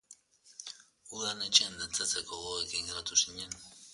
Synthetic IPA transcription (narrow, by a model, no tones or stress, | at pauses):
uðanet͡ʃend̪ent͡set͡sekoɣoekiŋɡɾat̪usiɲen